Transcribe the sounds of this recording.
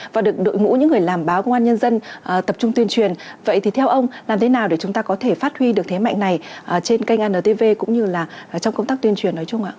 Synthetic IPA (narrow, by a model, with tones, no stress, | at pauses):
vaː˨˩ɗɨ˨˩ək̚ɗo̰˧˨jŋṵ˧˥ɲɨ̰˧˥ŋːɨ˨˩əjlaː˨˩mɓaː˨˦wkə˧wŋ͡mʔaː˧ɲə˧nzə˧nʔəː˨˩t̪ə˨˩p̚t͡ɕʊ˧ŋ͡mt̪wi˧ənt͡ɕwi˨˩ənvə̰˧˨jt̪ʰi˨˩t̪ʰɛ˧wʔə˧wŋ͡maː˨˩mt̪ʰe˨˦naː˨˩wɗe˧˩t͡ɕʊ˨˦ŋ͡mt̪aː˧kɔ˨˦t̪ʰe˧˩faː˦˥t̚hwi˧ɗɨ˨˩ək̚t̪ʰe˨˦ma̰˧˨jŋ̟na˨˩jʔəː˨˩t͡ɕe˧nka˧jŋʔaː˧nəː˨˩t̪e˧ve˧kʊ̰˧˥ŋ͡mɲɨ˧laː˨˩˨t͡ɕɔ˧wŋ͡mkə˧wt̪a˦˥kt̪wi˧ənt͡ɕwi˨˩ənːɔ˨˦jt͡ɕʊ˧ŋ͡mʔa̰ː˧˨